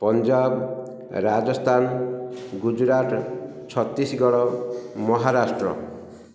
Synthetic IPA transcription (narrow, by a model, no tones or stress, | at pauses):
pɔnd͡ʒab | ɾad͡ʒɔst̪ʰanɡud͡ʒɾaʈ | t͡ʃʰɔt̪isɡɔɽɔmɔɦaɾasʈɾɔ̰